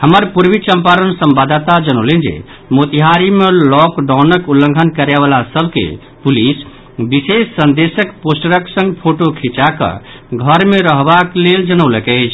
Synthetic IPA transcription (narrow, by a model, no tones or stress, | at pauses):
həməɾpuɾbit͡ʃəmpaɾənsəmbad̪t̪ad͡ʒənoʊlind͡ʒḛ | mot̪iɦaɾimelɔkɖanəkulːəŋɡʱənkəɾeβalasəbʱkḛ | pulis | bisesːənd̪esəkposʈəɾəksə̃ŋɡpʰoʈokʰit͡ʃakə̰ | ɡʱəɾmeɾəɦbakleld͡ʒənəwləkɛɪt͡ʃʰ